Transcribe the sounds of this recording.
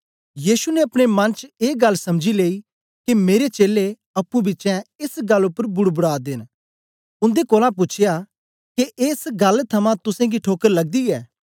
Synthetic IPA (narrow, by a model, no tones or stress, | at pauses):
jiːsuneɐpɽ̃emɐnt͡ʃeːɡɐlːsɐmd͡ʒileːi | kemeːɾet͡ʃeːle | ɐpːũbɪt͡ʃɛ̃ɪsɡɐlːʊpːəɾbʊɽbʊɽaːd̪ɪːn | ʊ̃nd̪ekoːlãp̬ʊt͡ʃʰɪja | keʔeːsɡɐlt̪ʰɐmãt̪ʊsɛ̃ɡiʈʰoːkəɾlɐɡ̚d̪iɛː